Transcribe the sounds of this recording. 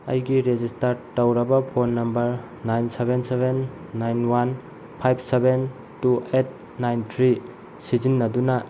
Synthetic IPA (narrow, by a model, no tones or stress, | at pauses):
ɐ̰jɡiɾed͡ʒistɐɾtɐwɾɐbɐpʰonːɐmbɐɾ | najnsebensebenː | ajnwan | pʰajp̚ʰseben | tuet̚ | najntʰɾi | sizinːɐdunɐ